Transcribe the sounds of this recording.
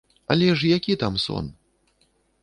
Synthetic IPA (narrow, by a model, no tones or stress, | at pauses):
ɐ̰lʲɛʂjakʲit̪amsɔ̰n